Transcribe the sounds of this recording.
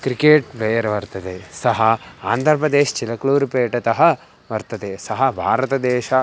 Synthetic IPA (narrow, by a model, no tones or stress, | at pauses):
kɾikeːʈbeːjɐɾʋɐɾt̪ɐd̪esɐɦɐaːnd̪ʱɐɾɐpɾɐd̪eːʃt͡ʃilɐkluːɾpeːʈɐt̪ɐɦɐ | ʋɐɾt̪ɐd̪esɐɦɐbʱaːɾɐt̪ɐd̪ɛːʃɐ